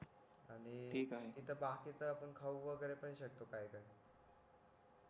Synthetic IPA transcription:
aɽ̃iʈʰiːkaɦet̪it̪ʰəbakit͡səapəɳkʰauʋəɡəɾepəɳiɕək̚t̪okajkaj

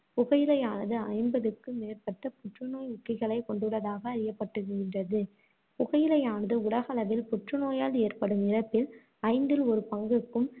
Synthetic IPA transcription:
pʊɣɐjɪlɐjaːnɐðɯɐɪmbɐðɯkːɯmeːrpɐt̪ːɐpʊʈrɯnoːjʊkːɪɣɐɭɐɪkɔɳɖɯɭːɐðaːɣɐːɾɪjɐpːɐʈːɯɣɡɪndrɐðɯ | pʊɣɐjɪlɐjaːnɐðɯʊɭɐɣɐɭɐʋɪlpʊʈrɯnoːjaːleːrpɐɽɯmɪɾɐpːɪl | ɐɪnd̪ɪlɔɾɯpɐŋɡɯkːɯm

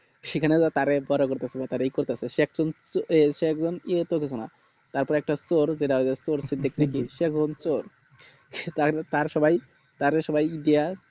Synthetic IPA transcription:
ʃekʰaned͡zat̪aɾebɔɾokoɾt̪easʰebat̪aɾeejkoɾt̪easeʃɛk̚d͡ʑonʃekd͡zoniet̪okisʰona | t̪aɾpɔɾɛk̚ʈasoɾd͡ʑeʈaɦoezesoɾsid̪ʱik̚nekiʃekzont͡soɾ | t̪aɾt̪aɾʃɔbaj | t̪aɾeʃɔbajiɖia

